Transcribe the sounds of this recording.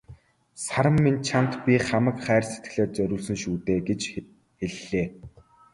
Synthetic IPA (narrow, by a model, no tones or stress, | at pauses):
saɾə̆mːint͡ɕʰan̥t̪pʲiχamə̆kχæːrset̪ɡɘ̆ɮeːt͡sœɾʲʊːɮsɵ̆nʃuːt̪eːɡet͡ɕ | xeɮːeː